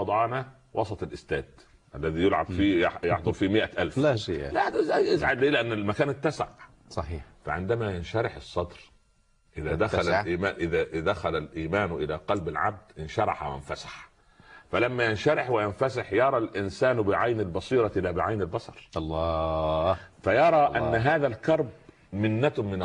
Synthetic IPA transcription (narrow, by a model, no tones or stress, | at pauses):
ɑd̪ˤɑːnæ | wʔɑsˤɑt̪ˤɑlʔɪst̪æːd̪̥ | ʔælːæðiːjʊlʕabfijjɑʕd̪ˤɑlfiːmɪʔæʔælflad̪æzæjʔɪzʕad̪leːlɪʔænːɪlmækæːnɪt̪ːæsaʕ | sˤɑħiːfæʕɪnd̪æmæjɪnʃæɾɪħɨsˤːɑd̪ɾ | ʔɪðaːd̪axaaʔiːmaːʔɪðaʔɪd̪axalalʔiːmaːnʔɪlaqɑlbɪlʕa̰b̚d̪̥ʔɪnʃɑɾˤɑ̰ħwja̰nfasḁħ | falamːajɪnʃɑɾɪħwɪjanfas̬ɪħjɑɾˤɑlʔɪnsaːnbɪʕajnɪlbɑsˤiːɾˤɑʔɪlːabɪʕajnɪlbɑsˤɑ̰ɾˤlː | fajɑɾˤɑʔʔanːɦaːðælkɑɾˤb̚ | mɪnːat̪mɪn